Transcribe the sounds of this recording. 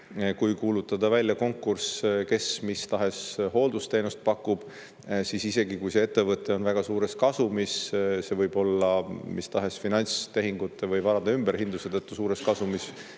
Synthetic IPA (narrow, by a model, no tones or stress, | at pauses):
kujkuːlut̪ːˑɑd̪̥ɑvælʲjɑko̞ŋkːurske̞smist̪ɑɦe̞sho̞ld̪̥ust̪e̞nust̪̚pɑkːˑub̥ | sisise̞ɡikujse̞e̞t̪ːe̞vɤt̪ːˑe̞o̞nvæɡ̥ɑsuːɾe̞skɑsumisse̞vɤjb̥o̞lːɑmist̪ɑɦe̞sfinɑnʲst̪e̞ɦiŋɡut̪ːˑe̞vɤjvɑɾɑd̪̥ɑymb̥e̞ɾhind̪̥uset̪ɤt̪ːusuːɾe̞skɑsumis